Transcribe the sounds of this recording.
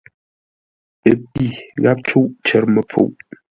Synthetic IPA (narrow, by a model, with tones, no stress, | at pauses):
ə˨pi˦˨ɣa˦p̚t͡ʃu˦ʔt͡ʃɛ˨˦ɾmə˨p͡fṵ˨ʔ